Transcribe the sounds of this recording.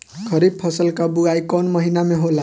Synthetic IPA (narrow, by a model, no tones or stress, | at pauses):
kʰʌɾib̚pʰʌsʌlkabuɡajkʌnmʌɦinameɦola